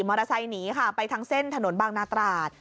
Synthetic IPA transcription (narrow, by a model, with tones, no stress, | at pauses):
maː˧ɾa˧sa˧jniː˩˦kʰa˥˩pa˧jt̪ʰa˦˥ŋse˥˩nt̪ʰa˧no˨˩˦nbaː˧ŋnaː˧˥t̪ɾaː˨˩t̪̚